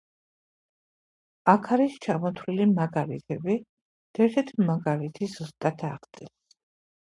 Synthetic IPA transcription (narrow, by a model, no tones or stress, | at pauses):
akʰaɾist͡ʃʰamɔt̪ʰwlilimaɡaɾḭt̪ʰɛbi | d̪̥ɛɾt̪ʰɛt̪ʰmaɡaɾit̪ʰizust̪ʼat̪ʰaʁd̪sʼɛls